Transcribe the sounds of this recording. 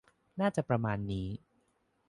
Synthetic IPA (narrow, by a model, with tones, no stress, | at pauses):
naː˥˩t͡ɕa˨˩pɾa˧maː˧nːiː˦˥